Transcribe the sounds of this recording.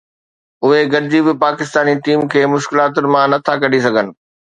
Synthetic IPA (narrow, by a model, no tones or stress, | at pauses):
ʊɦeɡɐɾɪd͡ʑibɪpaːkɪst̪aːniʈiːmkʰeːmʊʃkɪlaːt̪̬ʊnɪ̆mãnɐt̪ʰakɐɖ̤isɐɡʱənɪ̆